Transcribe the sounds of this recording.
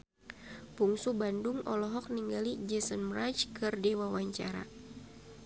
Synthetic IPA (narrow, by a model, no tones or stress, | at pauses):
puŋsubanduŋɔlɔɦɔk̚niŋɡalid͡ʒɛsənmɾat͡ʃkɨrdewawaɲt͡ʃa̰ɾa̰